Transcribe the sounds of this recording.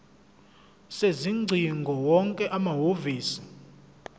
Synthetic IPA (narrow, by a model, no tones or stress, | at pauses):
seziŋ͡ǀʱiŋɡʱɔwɔŋkʼɛʔamaɦoviːsi̥